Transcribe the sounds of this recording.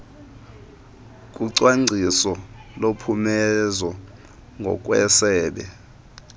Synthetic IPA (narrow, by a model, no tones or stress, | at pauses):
k̬ʼuǀwaŋ͡ǀʱisɔlopʰumɛzwɔ | ŋɡʱɔ̰k̬ʼwɛsɛːɓɛ